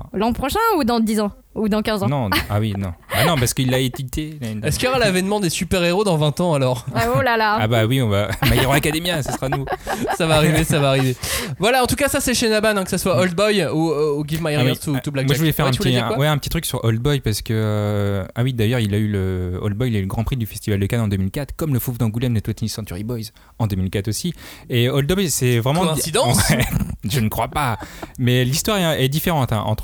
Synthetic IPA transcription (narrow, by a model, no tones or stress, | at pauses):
lɑ̃pχɔʃɛ̃ud̪ɑ̃d̪izɑ̃ | ud̪ɑ̃kʲɛ̃zɑ̃nɔ̃awinɔ̰̃banɔ̃paʁsə̥kəilːaet̪it̪ʰeɛskjɔʁalavɛnmɑ̃d̪esypɛʁeʁod̪ɑ̃vɛ̃t̪ɑ̃alɔʁolalaabawiɔ̃vamajʁ̃lakad̪emjasəsχanusavaːʁivesavaːʁivevwalaɑ̃t̪ukasasɛʃenabanɛ̃kəsaswaɔld̪̚bɔjuøɡʲivmajɛʁwɛt̪ut̪ublamaəvulɛfɛʁɛ̃pvuɛikwawɛɛ̃pət̪it̪χyksyʁɔld̪̚bɔjpaʁsə̥kəøawid̪ajœʁilayləɔ̰ld̪̚bɔjilayləɡʁɑ̃pχid̪yfɛst̪ivald̪əkanɑ̃d̪ømilkʲat̪χkɔmləfuvd̪ɑ̃ɡulɛmnət̪wɛt̪nisɑ̃t̪yʁibɔjz | ɑ̃d̪ømilkʲat̪osieɔld̪bɔjsɛvʁɛmɑ̃sid̪̃wɛʒənəkχwapamɛlist̪waʁɛɛd̪ifeʁɑ̃t̪ɛ̰̃ʔɑ̰̃t̪χ